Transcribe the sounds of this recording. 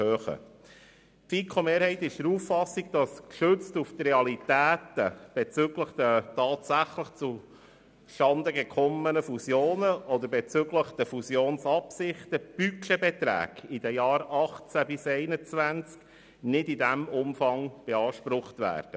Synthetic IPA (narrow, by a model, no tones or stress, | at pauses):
høːχə̰ | pfikʰomeːɾhɛɪt̪ːɪʃd̥̪əɾuːfɑsːiɡ̚d̥ɑskʃøt͡stuft̪reɑlit̪æːt̪əb̥ɛt͡sʏɡləχd̥̪ətɑːt̪sæχləχt͡su | ʃɑnd̪əɡɛkʰɔmːənəfusjoːnəʔɔd̪əɾbɛt͡sʏɡləχd̥̪əfusjoːnsɑpsɪχt̪əb̥ykʃɛbɛt̪ɾæ̰ːɡ̥id̥ɛjɑːɾɑχt͡sæbɪsɛɪnət͡sʋænt͡sk | nɪdidæmʊmfɑŋb̥ɛɑːʃpɾʊχt̪ʋæ̰ːɾd̥ə